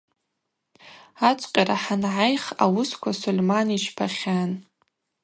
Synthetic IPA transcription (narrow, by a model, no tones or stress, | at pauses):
at͡ʃʷʼqʲʼaɾaħanʕajχa̰wʊskʷʰasulʲmanit͡ʃʰpʰaχʲan